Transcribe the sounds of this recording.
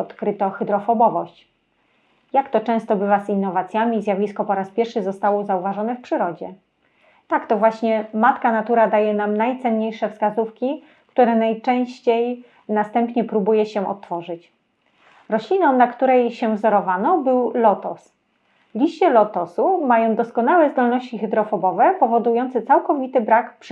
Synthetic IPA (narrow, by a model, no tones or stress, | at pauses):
ɔt̪kɾɘt̪ɔxɘd̪ɾɔfɔbɔvɔɕt͡ɕ | jakt̪ɔt͡ʂɛ̃w̃st̪ɔbɘvazinːɔvat̪sʲjamʲizʲjavʲiskɔpɔɾaspʲjɛɾfʂɘzɔst̪awɔzauvaʐɔnɛfpʂɘɾɔd͡ʑɛ | t̪akt̪ɔvwaɕɲɛmat̪kanat̪uɾad̪ajɛnamnajt̪sɛnɲejʂɛfskazufkʲi | kt̪uɾɛnajt͡ʂɛ̃w̃ɕt͡ɕej | nast̪ɛmpɲɛpɾubujɛɕɛʔɔ̰t̪ːfɔʐɘt͡ɕ | ɾɔɕlʲinɔ̃w̃nakt̪uɾɛjɕɛvzɔɾɔvanɔbɘwlɔt̪ɔ̰s | lʲiɕt͡ɕɛlɔt̪ɔsumajɔ̃d̪ɔskɔnawɛzd̪ɔlnɔɕt͡ɕixɘd̪ɾɔfɔbɔvɛpɔvɔd̪ujɔnt̪sɘt̪sawkɔvʲit̪ɘbɾakpʂ